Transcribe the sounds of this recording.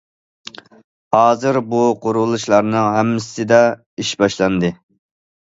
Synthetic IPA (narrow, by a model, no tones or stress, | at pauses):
hɑːzɨɾbuqʰoɾulˠuʃlˠɑɾnɨŋɦæmːɪssɪd̪ɑ | iʃbɑʃlˠɑnd̪ɨ